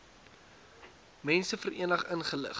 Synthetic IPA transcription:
mɛnsəfərʔiənəχənχələ̰χ

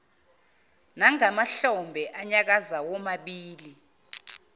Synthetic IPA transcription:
naŋamaɬɔmbʱɛʔaɲak̬azawɔmaɓiːli

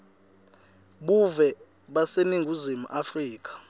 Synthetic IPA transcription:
ɓuvɛ | ɓaseniŋɡʱuzimṵʔafriːk̬ʰʼḁ

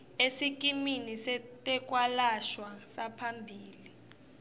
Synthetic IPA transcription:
esik̬ʼiminisɛtʼɛk̬ʼwalaʃwasapʰambʱiːli

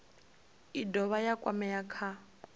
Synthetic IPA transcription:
idɔβajakʼwa̰mɛjakʰa

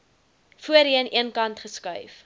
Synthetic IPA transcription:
fuəɾiəniənkɐntχəskœɥf

